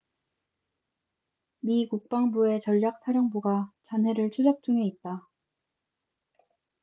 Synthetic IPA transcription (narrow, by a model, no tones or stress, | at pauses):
mikuk̚p͈aŋbue̞t͡ɕʌʎːjak̚s͈ʰaɾjʌŋbuɡat͡ɕanɦe̞ɾɯɭt͡ɕʰud͡ʑak̚t͡ɕ͈uŋe̞it̚t͈a